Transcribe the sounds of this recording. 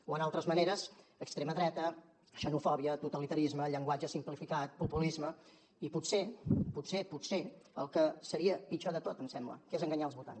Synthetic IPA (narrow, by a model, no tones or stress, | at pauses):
oənalˠt̪ɾəzməneɾəzəkst̪ɾeməðɾɛt̪ə | ʃənufɔβiət̪ut̪əlit̪əɾizməʎəŋɡwad͡ʒəsimplifikat̪̚pupulizmə | iputseput̪seputse | əlˠkəsəɾiəpit͡ʃoðət̪ot̪əmsɛmblə̰kezəŋɡəɲalˠzβulˠt̪a̰ns